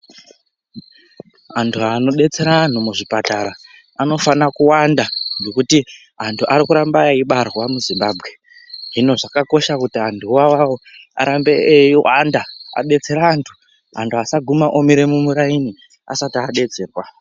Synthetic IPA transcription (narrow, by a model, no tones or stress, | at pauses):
ɦantʰuano̞ɓe̞t͡se̞ɾaːn̤umuʐipataɾa | ano̞fanakuwandaŋɡo̞kuti | ɦantʰuʔaɾikuɾambaaiɓarwamuzimbaːbɣe | ʐino̞ʐakako̞ʃakutiantʰuwawawoa̰ɾambeeiwa̰ndaa̰ɓe̞t͡se̞ɾaːntʰu̥ | ɦantʰuasaɡʱumaʔomiɾe̞mumuɾaini | a̰satiaɗe̞d͡ze̞ːrwa